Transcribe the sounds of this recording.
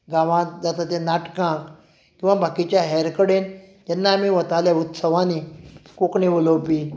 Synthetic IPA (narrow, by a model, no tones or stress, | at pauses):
ɡaʋãd͡zat̪at̪enaʈkãk | kĩw̃ʋabʱakit͡ɕjaɦɛɾkəɽen | t̪jɛnːaːmiʋət̪aljaut̪səʋãnikokɳẽʋəlowpi